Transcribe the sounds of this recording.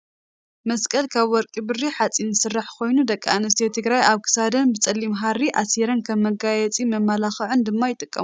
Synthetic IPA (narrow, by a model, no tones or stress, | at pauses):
mɐskʼɐlkʰaβwɔɾkʼibɨrːiħat͡sʼinːɨsɨrːaħkʰo̞jnud̪ɐkʼːa̰nɨs̬t̪ʰet̪ʰɨɡɾajaβkʰɨ̥sad̪ɐnbɨt͡sʼɐlːimɦaɾiʔaseɾɐnkʰɐmːɐɡajɛt͡sʼimɐmːalaxɨʕɨnd̪ɨmːajɪt̪ʼɨkʼːɐ̰mu